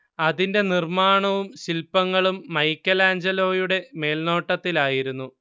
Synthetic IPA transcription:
ɐðinde̞nirmaːɳɐʋumɕilpːɐŋːɐɭumːɐjkʲːɐlaːnd͡ʑɐlo̞ːjuɽe̞me̞ːlno̞ːʈːɐt̪ːilaːjiɾunːu

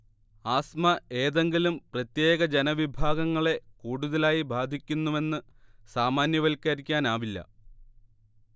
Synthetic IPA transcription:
aːsmɐe̞ːðe̞ŋɡilumprɐt̪je̞ːɣɐd͡ʑe̞nɐʋibʱaːɡɐŋːɐɭe̞kuːɽuðɐlaːjibʱaːd̪ʱikʲːunːuʋe̞nːɨ | saːmaːnjɐʋɐlkaɾikʲːaːnaːʋilːɐ̰

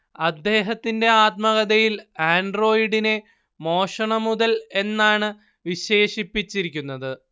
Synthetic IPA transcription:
ɐd̪ːe̞ːɦɐt̪ːinde̞aːt̪̚mɐɣɐðɐjilaːɳɖro̞ːjiɽine̞ | mo̞ːʂɐɳɐmuðɐle̞nːaːɳɨ | ʋiɕe̞ːɕipːit͡ɕːiɾikʲːunːɐðɨ

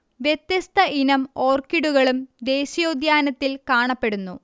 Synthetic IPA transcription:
ʋjet̪jɐst̪ɐʔinɐmo̞ːrkiɽuɣɐɭumd̪eːɕijoːd̪ʱjaːnɐt̪ːilkaːɳɐpːe̞ɽunːu

